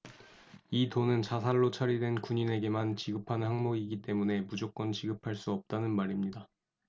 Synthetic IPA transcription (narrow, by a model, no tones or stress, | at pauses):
itonɯnt͡ɕasʰaɭːot͡ɕʰʌɾidwe̞nkuɲine̞ɡe̞mant͡ɕiɡɯpʰanhaŋmʌɡiɡit͈e̞mune̞mud͡ʑok͈ʌnt͡ɕiɡɯpʰaɭs͈uʌp̚t͈anɯnmaɾimɲida